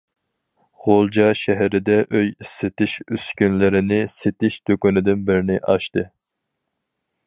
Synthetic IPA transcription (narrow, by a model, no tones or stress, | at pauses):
ʁolˠd͡ʒɑʃɛɦɛɾɪd̪ɛʔøjisːet̪ɪʃyskʲynlɪɾɪnɪset̪ɪʃd̪̥økunɪd̪ɪnbɪɾɪnɪʔɑʃt̪ɨ